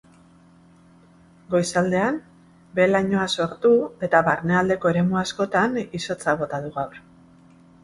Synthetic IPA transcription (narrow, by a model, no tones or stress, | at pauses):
ɡo̞jsald̪e̞an | be̞laɲo̞aso̞ɾt̪ue̞t̪aβaɾne̞ald̪e̞ko̞e̞ɾe̞muasko̞t̪aniso̞t͡saβo̞t̪aðuɣawɾ